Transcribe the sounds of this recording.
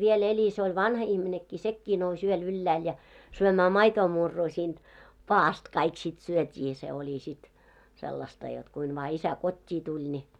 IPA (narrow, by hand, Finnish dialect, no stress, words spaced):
ʋiel elʲi se olʲ ʋɑnhɑ ihminekːiː sekːiː nous yøl ylːæːl jɑ syømæː mɑitoːmurːuː siːnd̥ pɑːɑst kɑik sit syøtʲiː se olʲi sit selːɑstɑ jot kuin ʋɑː isæ kotʲːiː tulʲ nʲi